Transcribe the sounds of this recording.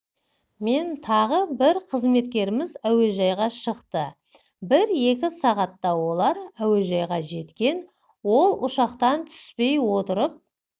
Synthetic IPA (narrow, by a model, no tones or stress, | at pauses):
me̞nt̪ʰɑʁəbɪɾqʰəzme̞t̪̚kʲe̞ɾɪmɪzæwe̞ʒɑjʁɑʃəqt̪ə | bɪɾje̞kʲɪsɑʁɑt̪ːɑwo̞lˠɑɾæwe̞ʒɑjʁɑʒe̞t̪kʲe̞n | wo̞lˠʊʃɑqt̪ɑnt̪ʰʏ̥spe̞jwo̞t̪əɾəp̚